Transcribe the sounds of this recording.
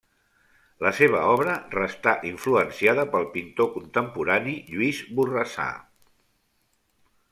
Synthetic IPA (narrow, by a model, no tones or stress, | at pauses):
ləseβ̞əɔβ̞ɾərəst̪aʔiɱfluənsjaðəpəlˠpint̪okunt̪əmpuɾaniʎuizburəsa̰